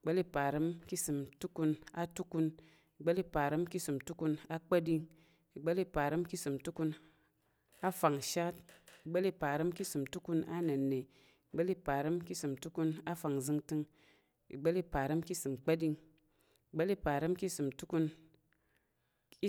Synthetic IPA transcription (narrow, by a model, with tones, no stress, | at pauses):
i˨ɡ͡be˦li˦pa˨ɾə˦mki˦sɨ˨mtu˦ku˧na˦tu˦ku˧n | i˨ɡ͡be˦lpa˨ɾɨ˦mki˦sɨ˨mtu˦ku˧na˦k͡pa˦di˧ŋ | i˨ɡ͡be˦li˦pa˨ɾɨ˦mki˦sɨ˨mtu˦ku˧n | a˦fa˨ŋʃa˦t̚i˨ɡ͡be˦li˧pa˨ɾə˦mki˦sɨ˨mtu˦ku˧na˦ne˨nːe˨ | i˨ɡ͡be˦li˦pa˨ɾɨ˦mki˦sɨ˨mtu˦ku˧na˦fa˨ŋzɨ˧ŋtɨ˧ŋ | ḭ˨ɡ͡be˦li˦˧pa˨ɾɨ˦mki˦sɨ˨mk͡pa˦di˧ŋ | i˨ɡ͡be˦li˦pa˨ɾə˦mki˦sɨ˨mtu˦ku˧n˦